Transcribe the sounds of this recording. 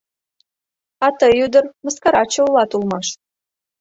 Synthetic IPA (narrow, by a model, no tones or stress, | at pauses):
ɑt̪ɤjud̪ə̆rmə̆skɑɾɑt͡ɕə̆ulɑt̪ulˠmɑʃ